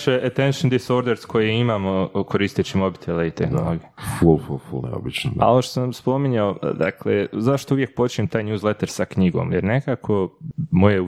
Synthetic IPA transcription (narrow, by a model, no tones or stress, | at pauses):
t͡ʃeʔet̪enʃnd̪isoɾd̪eɾskʰo̞jeimaːmoko̞ɾiːst̪it͡ɕimo̞bit̪ʰeleit̪exno̰lˠoɡiefulfulfṵlnḛo̰bit͡ʃno̰a̰oʋoʃt̪o̥semspo̞miɲaod̪aklḛzaʃt̪ouʋje̞k̚po̞t͡ʃiɲemt̪aːjɲjuːzlet̪eɾsakɲiɡo̞̰mjeɾne̞kaːkʰo̞mo̞je